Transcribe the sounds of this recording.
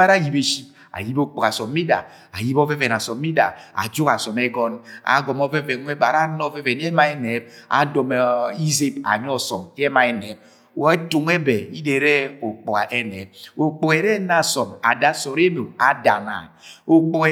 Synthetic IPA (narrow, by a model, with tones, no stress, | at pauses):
a˦ɾa˦˨ji˨be˨ʃi˦p | a̰˨ji˦bo˦k͡po˨a˨sɔ˨mː˦i˦da̰˨ | a̰˨ji˦bɔ˦vɛ˦vɛ˨na˨sɔ˨mː˦i˦da̰˨a̰˨d͡ʒo˦ka˨sɔ˨mɛ˦ɡɔ˦na̰˨ɡɔ˨mɔ˦vɛ˦vɛ˨nʷ˦ɛ˦ba˨ɾa˦nɔ˦vɛ˦vɛ˨n˦ɛ˦ma˦ɛ˦nɛ˨˦b̚a̰˨dɔ˨m˨i˦ze˦ba̰˨ɲi˦ɔ˦sɔ˨m˦ɛ˦ma˨ɛ˨nɛ˨˦b̚ | to˨ŋ˦ɛ˦bɛ˨i˦de˨ɾɛ˦o˨k͡pɔ˨ka˨ʔɛ˦nɛ˨˦b̚o˨k͡po˨ɛ˨ɾɛ˦na˨sɔ˨ma̰˨da˨sɔ˨ɾe˦mo˨a˨da̰˨na̰˨o˨k͡po˨